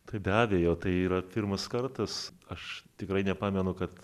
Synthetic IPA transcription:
t̪ɐɪbʲæːbʲejoːt̪ɐɪiːɾɐpʲɪrmɐskɐrt̪ɐsɐʃt̪ʲɪkɾɐɪnʲɛpɑːmʲɛnʊkɐt̪

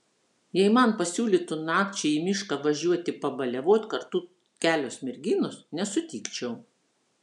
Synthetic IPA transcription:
jɛɪmɑnpɐsʲuːlʲit̪ʊnɑːkt͡ʃʲɛimʲɪʃkɑʋɐʒʲuɔt̪ʲɪpɐbɐlʲɛʋoːt̪ʲkɐɾt̪uː | kʲæːlʲoːsmʲɪɾʲɡʲiːnʊsnʲɛsʊt̪ʲiːkt͡ʃʲɛʊ

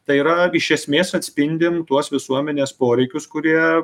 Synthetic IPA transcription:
t̪ɐɪiːɾɐɪʃʲɛsʲmʲeːsɐt̪ʲsʲpʲɪnʲd̪ʲɪmt̪uɔsʋʲɪsuɔmʲɛnʲeːspoːɾʲɛɪkʲʊskʊɾʲiɛ

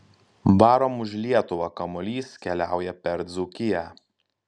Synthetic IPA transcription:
bɑːɾomʊʒʲlʲiɛt̪ʊʋɑkɐmɔlʲiːskʲɛlʲæˑʊjɛpʲɛɾd̪zʊkʲɪjæ

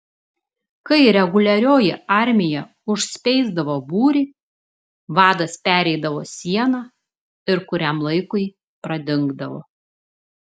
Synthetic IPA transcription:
kɐɪɾʲɛɡʊlʲɛɾʲoːjɪɑɾʲmʲɪjɛ | ʊʃʲsʲpʲɛɪzd̪ɐʋoːbuːɾʲiː | ʋɑːd̪ɐspʲæːɾʲɛɪd̪ɐʋoːsʲiɛnɑː | ɪɾkʊɾʲɛmlˠɐɪkʊɪ | pɾɐd̪ʲɪŋɡd̪ɐʋo̰ː

